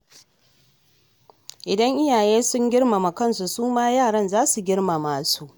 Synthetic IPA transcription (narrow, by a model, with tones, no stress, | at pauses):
ʔɪ˨dɐ˦ŋʔɪ˦jaː˨jeː˦sʊ˦ŋɡʲɪ˦rma˨ma˨kɐ˦nsu˨suː˦maː˦jaː˦˨ɽɐ˦nzaː˦su˨ɡʲɪ˦rma˨maː˨su˦ʔ